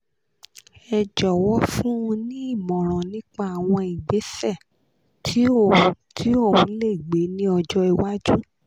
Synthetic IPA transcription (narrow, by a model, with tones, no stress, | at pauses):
ɛ˧d͡ʒɔ˨wɔ˨˦fũ˦ũ˧nĩ˦i˦˨mɔ̃˨ɾ̃ɔ̃˨nĩ˦k͡pa˦a˨w̃ɔ̃˧i˨ɡ͡be˨˦sɛ˦˨ | tʰi˨˦˨ | tʰi˦o˦˨ũ˨˦le˦i˨ɡ͡be˨˦nĩ˦ɔ˧d͡ʒɔ˧i˧wa˦d͡ʒu˦